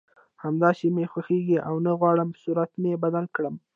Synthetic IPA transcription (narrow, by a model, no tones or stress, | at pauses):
hamd̪ɑʃimexwaxeɡiʔawnaɣwɑɽəmsuɾat̪mebad̪alkɽəm